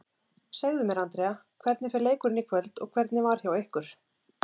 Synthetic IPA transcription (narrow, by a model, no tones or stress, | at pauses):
saɣðʏmɛɾant̪ɾɛakʰvɛɾt̪nɪfɪɾleːjkʏɾɪnikʰvœlt̪ɔ̰ɣkʰvɛɾt̪nɪvaɾ̥çawehkʏɾ̥